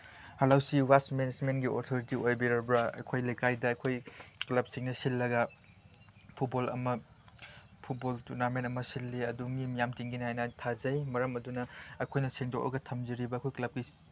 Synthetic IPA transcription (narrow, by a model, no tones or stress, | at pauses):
hɐlawsiwasmened͡ʒmentɡioɾtʰoɾitiojbiɾɐbɾaɐ̰jkʰojlɐjkajdɐːjkʰojklɐb̚siŋnɐsilːɐɡɐ | pʰut̚bolɐ̰mɐ | pʰut̚boltuɾnamentɐmɐsilːiɐdumimjamtiŋɡinihajnɐtʰazɐjmɐɾɐmɐdunɐɐjkʰojnɐseŋdok̚ʔɐ̰ɡɐtʰɐmziɾibɐːkʰojklɐb̚ɡi